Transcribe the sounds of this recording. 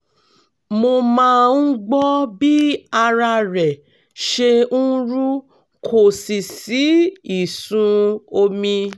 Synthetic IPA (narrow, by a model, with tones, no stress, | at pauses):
mo˧mãː˦ũ˦ɡ͡bɔ˦bi˦a˧ɾa˧ɾɛ˨ | ʃe˧ũ˦ɾu˦ | kʰo˨si˨si˨˦i˦˨sũ˧o˧mĩ˧